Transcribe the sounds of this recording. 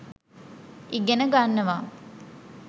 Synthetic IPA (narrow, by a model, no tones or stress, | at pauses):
iɡenəɡanːɐʋaː